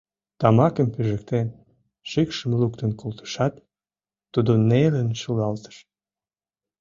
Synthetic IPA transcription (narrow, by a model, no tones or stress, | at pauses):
t̪ɑmɑkəmpyʒə̆k̚t̪en | ʃikʃəmlukt̪ənkolt̪ə̥ʃɑt̪ː | ud̪onelənʃulɑlt̪ə̥ʃ